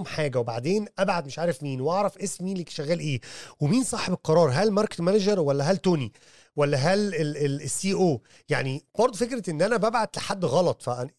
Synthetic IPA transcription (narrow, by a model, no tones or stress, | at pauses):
mħaːɡæwebaʕd̪eːnʔæbʕad̪̚meʃʕaːɾefmiːnweʔɑʕɾˤɑfʔesmmiːnlekʃæɣːæːlʔeːwemiːnsˤɑːħebelqɑɾˤɑːɾˤɦælmɑɾˤke̥t̪mænæd͡ʒɑɾˤwælːæɦælt̪oːni | wælːæɦæleeesːiːʔoː | ja̰ʕnib̥ɑɾˤd̪ˤofekɾet̪ʔenːʔænæbæbʕad̪leħad̪ːɣɑlɑt̪ˤfæʔn